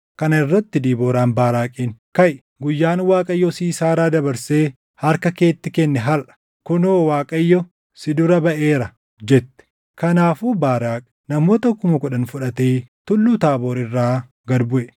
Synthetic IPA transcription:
kɐnɐɪrːɐt̪ːɪd̪iːbo̞ːɾaːnbaːɾaːkʼiːnkɐj | ɡʊjːaːnwaːkʼɐjːɔsiːsaːɾaːd̪ɐbɐɾseː | hɐɾkɐke̞ːt̪ːɪkɛnːɛɦɐlʔɐ̥ | kɔnoːwaːkʼɐjːɔ | sɪd̪ʊɾɐbɐʔe̞ːɾɐ | d͡ʒɛt̪ːɛ̥ | kɐnaːfuːbaːɾaːkʼ | nɐmoːt̪ɐkʊmɐkʊᶑɐnfʊᶑɐt̪eːt̪ʊlːuːt̪aːbo̞ːɾɪrːaː | ɡɐd̪bʊʔɛ

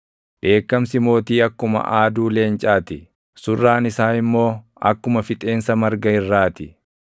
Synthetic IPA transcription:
ᶑe̞ːkːɐmsɪmo̞ːt̪iːɐkːʊmɐ̰ʔaːd̪uːle̞ːnt͡ʃʼaːt̪ɪ | sʊrːaːnɪsaːnɪmːo̞ː | ɐ̰kːʊmɐfɪt̪ʼe̞ːnsɐmɐɾɡɐɪrːaːt̪ɪ

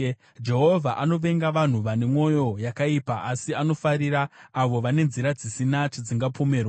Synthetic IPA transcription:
d͡ʒe̞ɦo̞vʱaʔano̞ʋe̞ŋɡaʋan̤uʋane̞mwo̞jo̞jakaipaasiano̞faɾiɾaːʋo̞ʋane̞nziɾad͡zisinat͡ʃad͡ziŋɡapo̞me̞ːrwa

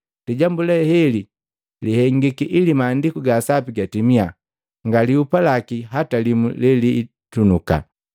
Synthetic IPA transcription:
liɟambulɛhɛli | lihɛŋɡikiʔilimaːndikuɡaːsapiɡatimia | ŋɡaliupalakiɦatalimulɛliː | tunuka̰

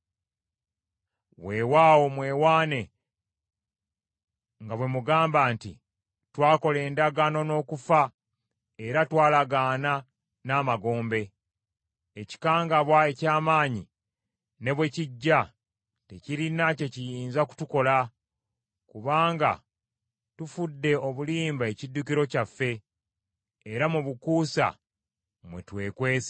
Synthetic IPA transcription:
we̞waːwo̞mwe̞ːwaːne̞ | ŋɡaβwe̞muɡaːmbaːntḭ | twaːko̞le̞ːndaɡano̞no̞ːkufa | e̞ɾatwaːlaɡaːna | naːmaɡo̞ːmbe̞ | eci̥kaːŋɡaβwae̞caːmaːɲḭ | ne̞βweciɟːa | teciɾinaco̞cijiːnzaku̥tuko̞la | kuβaːŋɡa̰ | tufudːe̞o̞βuliːmbae̞cidːukiɾo̞cafːe̞ | ɾamuβukuːsa̰ | mwḛtwe̞ːkwe̞ːs

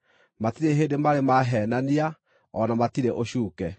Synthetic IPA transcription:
matiɾeɦeːndemaɾemaɦɛnania | ɔnamatiɾeʔoɕuːkɛ

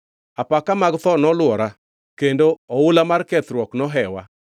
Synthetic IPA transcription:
apakamaɡt̪ɔnɔlwɔɾa | kendoɔʊlamarkɛt̪ɾwɔknɔɦɛwa

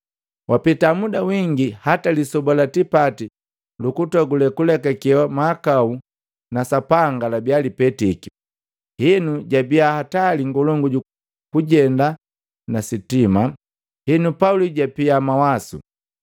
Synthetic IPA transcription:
wʔapitamudawiŋɡihatalisɔbɔlatipati | lukutɔɡulɛkulɛkakɛwamaːkau | nasapaŋɡalabialipɛtiki | hinuɟabiahataliŋɡɔlɔŋɡuɟu | kuɟɛnda | nasitima | hinupauliɟapiamawasṵ

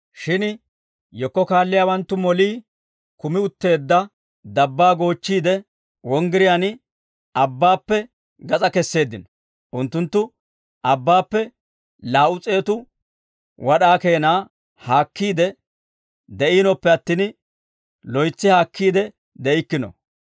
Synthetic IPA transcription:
ʃɪn | jɔkːɔkaːlːɪjaːwɐnt̪ːʊmɔliː | kʊmɪʊt̪ːe̞ːd̪ːɐ | d̪ɐbːaːɡo̞ːt͡ʃːiːd̪ɛ | wɔŋɡɪɾɪjan | ɐbːaːpːɛ | ɡɐt͡sʼɐkɛsːe̞ːd̪ːɪnɔ | ʔʊnt̪ːʊnt̪ːʊ | ʔɐbːaːpːɛ | laːʔʊt͡sʼe̞ːt̪ʊ | wɐɗaːkeːnaː | haːkːiːd̪ɛ | d̪ɛʔiːnɔpːɛɐt̪ːiːn | lɔjt͡sːɪhaːkːiːd̪ɛ | d̪ɛɪkːɪnɔ̰

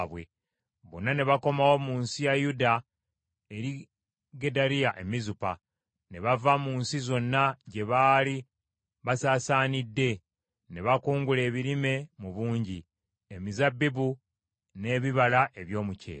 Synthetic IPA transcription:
βwe̞̰ | βo̰nːane̞βako̞mawo̞muːnsijajuda | eɾi | ɡe̞daɾijaʔe̞mizupa | ne̞βavamuːnsizo̞nːaɟe̞βaːli | βasaːsaːnidːe̞ | ne̞βakuːŋɡule̞ːβiɾime̞muβuːɲɟi | emizabːibu | ne̞ːβiβalaʔe̞βjo̞ːmucḛ

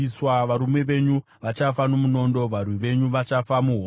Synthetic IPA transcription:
iswaʋaɾumwe̞ʋe̞ɲu | ʋat͡ʃafano̞muno̞ndo̞ʋarwiʋe̞ɲuʋat͡ʃafamuɦo

